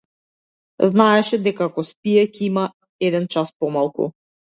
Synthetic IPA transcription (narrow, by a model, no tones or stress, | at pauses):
znaɛʃɛd̪ɛkakɔspijɛcɛima | ɛd̪ɛnt͡ʃaspɔmalˠkṵ